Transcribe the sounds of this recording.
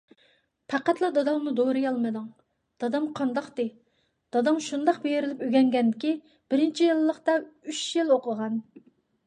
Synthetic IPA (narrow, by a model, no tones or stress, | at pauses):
pʰæqæt̪lˠɨd̪ɑd̪ɑmnud̪oɾɨjɑlˠmɨd̪uŋ | d̪̥ɑd̪ɑmqʰɑnd̪ɑqt̪ɨ | d̪̥ɑd̪ɑmʃund̪ɑqbejɪɾɪlɪpøɡʲɛŋɡʲɛnd̪ɪkʲi | b̥ɪɾɪnt͡ʃʰijilˠːəqt̪ɑyʃjiloqəʁɑn